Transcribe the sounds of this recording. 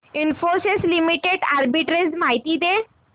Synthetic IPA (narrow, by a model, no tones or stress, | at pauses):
ɪnfoseslimiʈeɖaɾbiʈɾezmaɦjt̪id̪e